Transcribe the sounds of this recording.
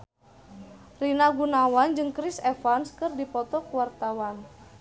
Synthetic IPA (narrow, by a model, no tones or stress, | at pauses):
rinaɡunawand͡ʒɨŋkɾisɛfanskɨrdipɔt̪ɔkuwart̪awan